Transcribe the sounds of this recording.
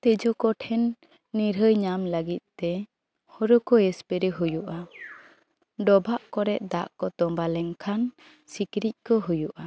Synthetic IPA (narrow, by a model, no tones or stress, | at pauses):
t̪ɛd͡ʒɔkɔʈʰɛnː | iɾɦəjɲamləɡit̪̚t̪ɛ | hɔɾɔkɔɛspɛɾɛɦujuʔa | ɖɔbʱaʔkɔɾɛʔ̚d̪aʔkɔt̪ɔmbalɛŋkʰan | sikɾic̚ˀkɔɦujuʔa